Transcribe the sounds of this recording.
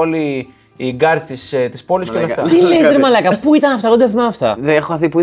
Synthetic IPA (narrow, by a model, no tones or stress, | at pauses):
oliː | ɡɐɾt̪ist̪ist̪ispo̞liskeolɐft̪ɐt̪ilezeɾmɐlɐkɐpuit̪ɐnɐft̪ɐɣod̪ɐθimɐɐft̪ɐ̰ðeexoɐθipui